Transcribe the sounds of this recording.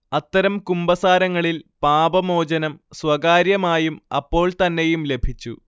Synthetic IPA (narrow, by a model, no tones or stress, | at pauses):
ɐt̪ːɐɾɐmkumbɐsaːɾɐŋːɐɭilpaːbɐmo̞ːd͡ʑɐnɐmswɐɡaːɾjɐmaːjumɐ̰pːo̞ːɭt̪ɐnːe̞jumle̞bʱit͡ɕːu